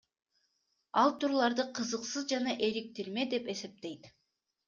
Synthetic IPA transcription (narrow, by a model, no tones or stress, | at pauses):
ɑlˠt̪ʰuɾulˠɑɾd̪ɯqʰɯzɯqsɯzd͡ʒɑnɑʔe̞ɾik̚t̪iɾme̞d̪e̞pe̞se̞p̚t̪e̞jt̪